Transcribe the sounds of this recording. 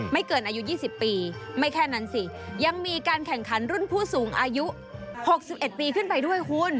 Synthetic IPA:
ma˥˩jkɤː˧˩nʔaː˧ju˦˥jiː˥˩si˨˩pːiː˧ma˥˩jkʰɛː˥˩na˦˥nsi˧˩ja˧ŋmiː˧kaː˧nkʰɛ˨˩ŋkʰa˩˦nɾu˥˩npʰuː˥˩suː˩˦ŋʔaː˧ju˦˥ | ho˨˩k̚si˨˩p̚ʔe˨˩t̪̚piː˧kʰɯ˥˩npa˧jdu˥˩əjhu˦˥˩n

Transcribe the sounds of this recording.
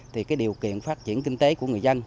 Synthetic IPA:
t̪ʰi˨˩kaː˨˦jɗi˨˩əwkḭ˧˨ənfaː˦˥t̚t͡ɕḭ˧˩˨ənkï˧ŋ̟t̪e˨˦ku˧˩əŋɨ˨˩əjzə˧n

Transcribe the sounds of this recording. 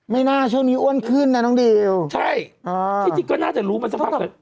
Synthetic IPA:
ma˥˩jnaː˥˩t͡ɕʰu˥˩˨ŋniː˦˥ʔu˧˥˩ə˨nkʰɯ˧˥˨nːa˧˩nɔː˧˦˥ŋde˧wt͡ɕʰa˥˩jʔəː˧˩˧i˨˩kɔː˧˥˩naː˥˩t͡ɕa˧˩ɾuː˦˥ma˧nsa˧pa˧˩l

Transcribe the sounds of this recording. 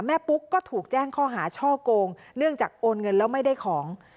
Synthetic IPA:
mɛː˥˩pu˦˥kːɔː˥˩t̪ʰuː˨˩k̚t͡ɕɛː˥˩ŋkʰɔː˥˩ɦaː˩˦t͡ɕʰɔː˥˩koː˧ŋ | nɯ˥˩əŋt͡ɕaː˨˩k̚ʔoː˧nŋɤ˧nlɛː˦˥wma˥˩jda˥˩jkʰɔː˩˦ŋ

